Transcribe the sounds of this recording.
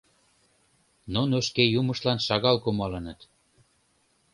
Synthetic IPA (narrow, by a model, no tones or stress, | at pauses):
nonoʃkejuməʃlɑnʃɑɣɑlkomɑlənət̪